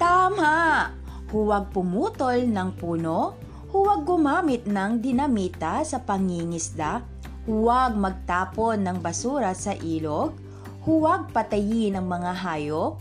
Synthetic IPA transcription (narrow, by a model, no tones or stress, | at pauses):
t̪aːma | hʊwaɡ̚pʊmuːt̪olnɐŋpuːno | hʊwɐɡ̚ːʊmaːmɪt̪̚nɐŋd̪ɪnɐmiːt̪asɐpɐŋiŋɪsd̪a | hʊwaɡ̚mɐɡ̚t̪aːponːɐŋbɐsuːɾɐsɐʔiːloɡ̚ | hʊwaɡ̚pɐt̪ɐjɪnɐŋmɐŋaɦaːjok̚